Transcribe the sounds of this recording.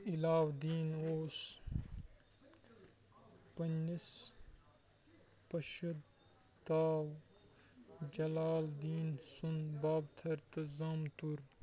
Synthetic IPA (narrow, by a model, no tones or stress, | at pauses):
ilaːwd̪iːnoːs | pɐnːis | pɐʃɐd̪ | t̪aːw | d͡ʒɐlaːld̪iːnsunbaːbt̪ʰɐɾt̪ɐzaːmt̪uɾ